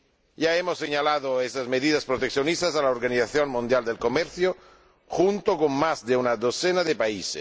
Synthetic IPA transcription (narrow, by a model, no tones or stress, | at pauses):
jaemosːeɲalaðoest̪azmeðið̞aspɾot̪ek̚θjonist̪asalaoɾɣaniθaθjonmũnd̪jald̪elkomeɾθjo | xunt̪okoŋmazd̪eunaðoθenaðepaises